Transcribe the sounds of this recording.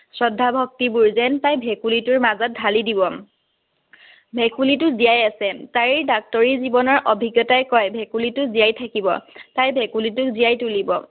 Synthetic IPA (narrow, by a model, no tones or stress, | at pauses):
sɹɔdʱːabʱɔk̚tibuɹzɛntajbʱɛkulitʊɹmazat̚dʱalidibɔ | bʱɛkulitʊzijajasɛtaɹiɹdak̚tɔɹizibɔnɔɹʔɔbʱiɡjɔtajkɔjbʱɛkulitʊzijajtʰakibɔ̰tajbʱɛkulitʊkzijajtulibɔ